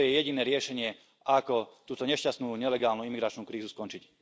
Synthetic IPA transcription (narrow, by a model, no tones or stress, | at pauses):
jɛjɛɟinɛːɾɪɛʃɛɲɪɛ | ʔakɔt̪uːt̪ɔɲɛʃcast̪nuːɲɛlɛɡaːlnuimiɡɾat͡ʃnuːkɾiːzuskɔnt͡ʃic